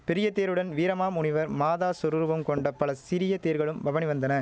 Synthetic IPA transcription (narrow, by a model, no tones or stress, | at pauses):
pɛɾɪjɐt̪eːɾɯɽɐnʋiːɾɐmaːmʊɳɪʋɐɾmaːðaːsʊɾɯɾʋɐmkɔɳɖɐpːɐlɐsɪɾɪjɐt̪eːɾɣɐɭɯmʋɐʋɐnɪʋɐnd̪ɐnɐ